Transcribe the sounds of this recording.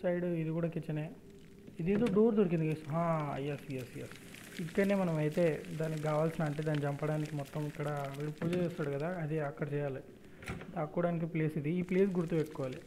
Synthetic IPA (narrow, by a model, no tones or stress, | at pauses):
sɐjɖuid̪ikuːɽaːkit͡ʃːɐneː | id̪eːd̪oːɖoːɾd̪oɾik̬ind̪ikesuɦãːɐ̰jːasijasɐja̰s | ikːɐneːmɐnɐmɐjt̪e̞ːd̪aːnikiɡaːʋaːlsinaːɳʈed̪aːnːit͡ʃɐmpɐɽaːnikimɔt̪ːɐmikːɐɽɐʋiɽipuːd͡ʒeːst̪aːɽukɐd̪aːɐd̪iɐkːɐɽɐt͡ʃɛːjaːli | d̪aːkkːuːɽaːnik̬ipleːsid̪iiːpleːsɡuɾut̪uːbeʈːkɔʋaːli